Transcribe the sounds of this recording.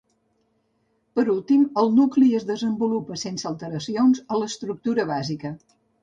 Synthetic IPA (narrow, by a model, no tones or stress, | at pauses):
pəɾulˠt̪iməlˠnukliəzðəzəmbulupəsensəːlˠt̪əɾəsionzələst̪ɾuk̚t̪uɾəβ̞azikə